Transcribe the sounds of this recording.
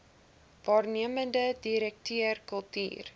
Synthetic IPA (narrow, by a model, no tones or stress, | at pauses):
vɑːrniəməndədiɾɛk̚tʰiərkəlˠty̰ːr